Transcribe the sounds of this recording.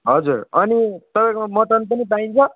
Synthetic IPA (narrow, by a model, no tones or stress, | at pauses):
ɦʌd͡zurʌnit̪ʌbãkomʌʈʌnpʌnipaĩnt͡sʰʌ